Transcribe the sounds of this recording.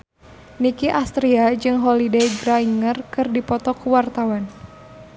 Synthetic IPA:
nikiʔast̪ɾiad͡ʒɨŋɦɔlidejɡɾaiŋərkɨrdipɔt̪ɔkuwart̪awan

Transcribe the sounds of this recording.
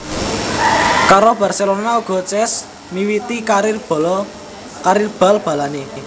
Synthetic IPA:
kaɾob̥a̤rselonauɡ̥ɔ̤t͡ʃɛs | miwit̪ikaɾirb̥lɔ | kaɾirb̥a̤lb̥a̤lane

